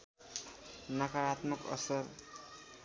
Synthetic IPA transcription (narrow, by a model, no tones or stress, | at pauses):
nakaɾat̪mukʌ̰sʌr